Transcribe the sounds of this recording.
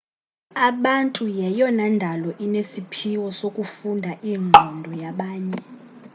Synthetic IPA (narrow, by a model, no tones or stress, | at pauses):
aɓantʼujɛjɔnandʱalɔʔinesipʰiwɔsokʼufundʱaʔiːŋ͡ǃʱɔndʱɔjaɓaːɲɛ